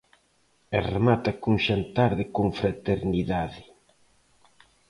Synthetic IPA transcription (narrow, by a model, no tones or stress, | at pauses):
eremat̪akuŋʃant̪aɾðɪkoŋfɾat̪eɾniðaðɪ